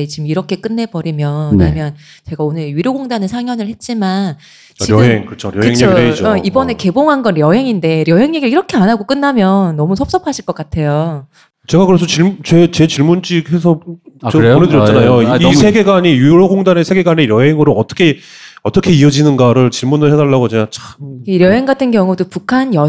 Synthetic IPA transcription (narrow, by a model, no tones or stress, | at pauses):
et͡ɕimiɾʌkʰe̞k͈ɯnːe̞bʌɾimjʌnmjʌn | t͡ɕe̞ɡaonɯɾɥiɾjoɡoŋdanɯnsʰaŋjʌnɯɭhe̞t̚t͡ɕ͈iman | t͡ɕiɾjʌɦeŋkɯt͡ɕʰoɾjʌɦeŋɲeed͡ʑoibʌne̞ke̞boŋɦanɡʌnɾjʌɦe̞ŋinde̞ɾjʌɦe̞ŋɲe̞ɡiɭiɾʌkʰe̞anaɡok͈ɯnːamjʌnːʌmusʰʌp̚s͈ʌpʰaɕʰiɭk͈ʌk͈atʰe̞jo | t͡ɕe̞ɡakɯɾesʰʌt͡ɕimt͡ɕet͡ɕe̞t͡ɕiɭmund͡ʑiɡhe̞sʰʌaʌonedɯɾʌt͡ɕ͈anajoisʰe̞ɡe̞ɡaɲijuɾoɡoŋdane̞sʰe̞ɡe̞ɡaneɾjʌɦe̞ŋɯɾoʌt͈ʌ̥kʰe̞ | ʌt͈ʌkʰe̞iʌd͡ʑinɯnɡaɾɯɭt͡ɕiɭmunɯɭɦedaɭːaɡot͡ɕeɡat͡ɕaɾjʌɦe̞ŋɡatʰɯnɡjʌŋudopukʰanjʌ